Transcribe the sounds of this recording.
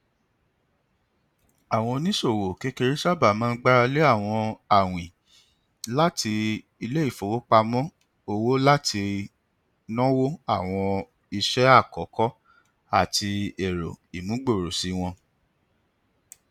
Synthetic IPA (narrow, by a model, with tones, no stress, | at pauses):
a˨w̃ɔ̃˧nĩ˦ʃo˦˨wo˨ke˧˦ke˧ɾi˦ʃa˦ba˦˨mãː˦ɡ͡ba˦ɾa˧le˦a˦˨w̃ɔ̃˧a˨w̃ĩ˨ | la˦ti˧ | i˧le˦i˦˨fo˨wo˦k͡pa˧mɔ̃˦ | o˧wo˦la˦tʰi˧ | nɔ̃˦wo˦a˦˨w̃ɔ̃˧ | i˧ʃɛ˦a˦˨kɔ˨˦kɔ˦ | a˦˨ti˧e˨ɾo˨i˨mũ˨˦ɡ͡bo˦˨ɾo˨si˨˦w̃ɔ̃˧